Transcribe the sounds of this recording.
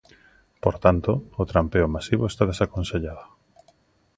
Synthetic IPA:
poɾt̪ant̪oːt̪ɾampeomasiβoest̪að̞esakonseʎaðo

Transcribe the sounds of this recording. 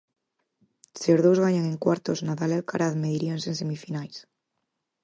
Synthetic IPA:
seozðowzɣaɲaŋeŋkwaɾt̪oznaðalalkaɾaðmeðiɾiansensemifinajs

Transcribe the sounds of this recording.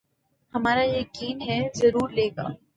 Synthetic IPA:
hɐmaːɾajɐkiːnɦɛzɐɾuːɾleːɡa̰ː

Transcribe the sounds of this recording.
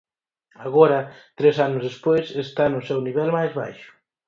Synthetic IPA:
aɣɔɾɐt̪ɾɛsanʊzðespojsest̪anʊsɛwniβɛlmajzβa̰jʃʊ̥

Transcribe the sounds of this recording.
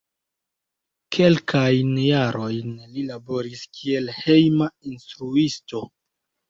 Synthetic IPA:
kʰe̞lkʰajnjaɾo̞jnlilabo̞ɾiskʰie̞lhe̞jmainstɾuisto̞

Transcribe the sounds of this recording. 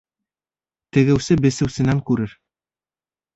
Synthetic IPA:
t̪ɘ̆ɡɘ̆wsɘbɘ̆sɘ̆wsɘ̆næŋkʉɾɘɾ

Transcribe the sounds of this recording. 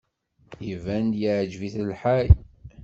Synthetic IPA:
ivænd̪jiʕd͡ʒviθəlħaj

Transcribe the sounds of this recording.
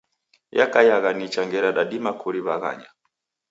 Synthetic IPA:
jakajaɣanit͡ʃaŋɡɛɾaɗaɗimakʰuɾiβaɣa̰ɲa

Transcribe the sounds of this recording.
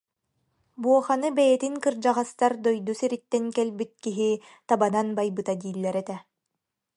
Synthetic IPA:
buɔχanɯbɛjɛt̪iŋkɯɾd͡ʑaʁast̪aɾd̪ɔjd̪usiɾit̪ːɛŋkɛlbit̪̚kiɦi | t̪abananbajbɯt̪ad̪iːlʲːɛɾɛt̪ɛ

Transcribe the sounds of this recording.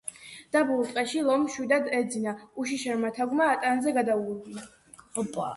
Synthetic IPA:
d̪̥abulˠt̪qʼɛʃilˠɔmʃwid̪ad̪ɛd̪zinauʃ̬iʃɛɾmat̪ʰaɡmaːt̪ʼanzɛɡad̪auɡuɾɡia | ɔpʼ

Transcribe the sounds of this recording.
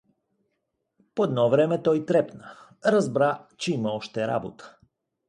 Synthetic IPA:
poɛd̪nɔvɾɛmɛt̪ɔjt̪ɾɛpnə | ɾɐzbɾat͡ʃɛiməɔʃt̪ɛɾa̰bo̰t̪ə̥

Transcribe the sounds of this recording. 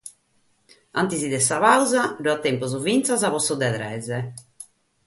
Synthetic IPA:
ant̪izid̪ɛsaβawzaɖuat̪ːɛmpɔzuvint̪sazaβɔsːɔd̪ɛðɾɛ̰zɛ

